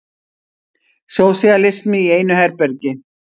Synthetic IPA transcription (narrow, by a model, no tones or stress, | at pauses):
sjoːwsialɪst̪mɪiejnʏhɛɾpɛɾcɪ